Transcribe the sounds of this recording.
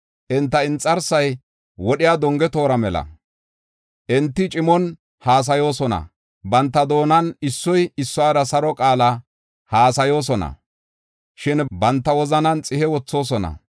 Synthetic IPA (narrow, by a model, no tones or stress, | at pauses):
ʔɛnt̪ːɐɪnt͡sʼːɐɾsɐj | wɔɗɪjaːd̪ɔŋɡɛt̪o̞ːɾɐmɛlɐ̰ | ʔɛnt̪ːɪt͡ʃʼɪmɔn | haːs̬ɐjo̞ːsɔnɐ̰ | bɐnt̪ːɐd̪o̞ːnɐnɪsːɔjɪsːɔaːɾɐsɐɾɔkʼaːlɐ | haːsɐjo̞ːs̬ɔnɐ̰ | ʃɪnbɐnt̪ːɐwɔzɐnɐnt͡sʼɪhɛwɔt͡sːo̞ːs̬ɔnɐ̰